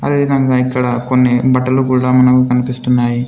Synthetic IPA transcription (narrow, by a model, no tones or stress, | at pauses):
ɐd̪e̞ːʋid̪ɐŋɡaːikːɐɽɐkonːibɐʈːɐlukuːɽaːmɐnɐkukɐnipist̪unːaːji